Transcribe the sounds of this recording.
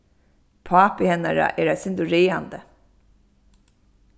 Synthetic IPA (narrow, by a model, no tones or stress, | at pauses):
pʰaːpɪhɛnːa̰ɹa̰ʔɛːɾasɪnd̪ʊɹeːand̪ə